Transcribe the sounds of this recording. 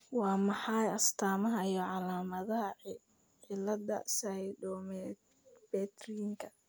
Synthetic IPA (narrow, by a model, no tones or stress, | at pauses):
wɑːmɑħɑjɐst̪ʰaːmɐɦɐijɔʕɑlaːmɐðɐɦɐ | ʕɪlɐd̪ɐ̰sɐjdɔm | bɛːt̪riŋkʰɐ